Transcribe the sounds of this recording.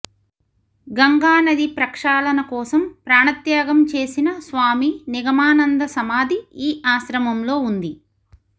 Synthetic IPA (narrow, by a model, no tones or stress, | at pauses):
ɡɐŋɡaːnɐd̪ipɾɐkʂaːlɐnɐkɔːsɐmpɾaːɳɐt̪jaːɡɐmt͡ʃe̞ːsinɐsʋaːminiɡɐmaːnɐnd̪ɐsɐmaːd̪ʱiiːaːʃɾɐmɐmlo̞ːund̪i